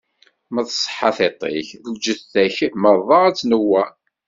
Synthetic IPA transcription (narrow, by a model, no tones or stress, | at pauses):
məðsˤːħːɑθet̪ˤḛçðəɡd͡ʒəθːæçməɾˤðˤɑæt͡sːnəwːæ